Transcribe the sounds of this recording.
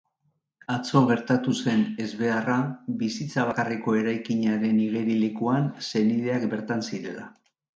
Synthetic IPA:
at͡so̞ɣ̞e̞ɾt̪at̪use̞ne̞zβe̞araβisit͡saβ̞akariko̞e̞ɾajkiɲaɾe̞niɣ̞eɾilikuanse̞nið̞e̞akbe̞ɾt̪ansiɾe̞la̰

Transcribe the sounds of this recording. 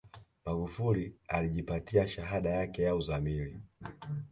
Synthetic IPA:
maɡufulialiʄipatiaʃaɦaɗajakɛjauzamili

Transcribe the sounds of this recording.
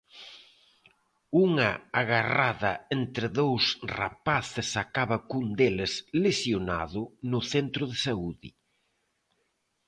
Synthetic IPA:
uŋɐaɣaraðɐent̪ɾɪðowsra̰paθɪsakaβɐkund̪elɪslesjona̰ðʊnʊθent̪ɾʊðesauðɪ

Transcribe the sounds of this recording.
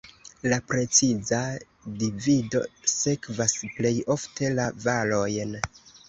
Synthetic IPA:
lapɾe̞t͡siza | divido̞se̞kvasple̞jo̞ftʰe̞lavalo̞jn

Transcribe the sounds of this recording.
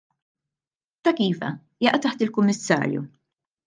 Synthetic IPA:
t̪ɐkiːvɐ̰ | jɐʔt̪ɐħt̪ɪlkʊmːɪsːɐ̰ːɾjṵ

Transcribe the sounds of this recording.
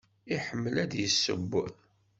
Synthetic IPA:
iħəmːəlæd̪jəsːə̰bːʊ̰

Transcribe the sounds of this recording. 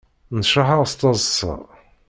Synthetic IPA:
nʃaħaʁst̪ˤɑzˤsɑ̰

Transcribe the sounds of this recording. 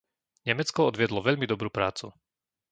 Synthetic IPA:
ɲɛmɛt͡skɔɔd̪ʋɪɛd̪lɔʋɛʎmid̪ɔbɾuːpɾaːt͡sṵ

